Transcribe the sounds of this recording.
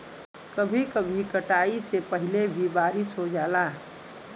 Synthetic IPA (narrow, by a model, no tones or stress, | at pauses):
kəbʱikəbʱikəʈaːisepəɦɪlebʱibaːɾɪsɦod͡ʒaːlaː